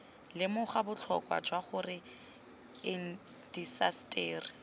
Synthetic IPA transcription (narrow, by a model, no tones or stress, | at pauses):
lɪmʊχabʊt͡ɬʰɔkʼwa̰d͡ʒwaχʊrɪ | ɪn̩ | d̥isastʼeːri